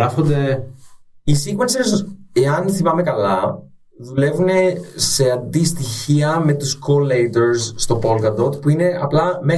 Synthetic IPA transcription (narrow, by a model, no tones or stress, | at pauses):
ɐfond̪e̞ | isiɣmɐseɾs̬eɐnθimɐme̞kɐlɐ | ðule̞vune̞se̞ɐnd̪ist̪içiɐme̞t̪uskolejt̪o̞ɾsːt̪o̞po̞lkɐd̪ot̪puine̞ɐplɐme